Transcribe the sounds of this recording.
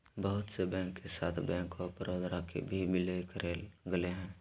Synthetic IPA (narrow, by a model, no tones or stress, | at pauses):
bəɦʊt̪sebɛ̃ːŋkːesaːt̪ʰbɛ̃ːŋkɔːɾpəɾoːd̪ʱɾakḛbʱibɪlejkəɾeːlɡəleɦɛ̃ː